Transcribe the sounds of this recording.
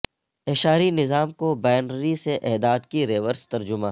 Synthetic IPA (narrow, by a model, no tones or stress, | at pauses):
eʃaːɾinɪzaːmkobaːjnɾiseʔɛːd̪aːd̪kiɾeːʋəɾst̪ɐɾd͡ʒʊmãː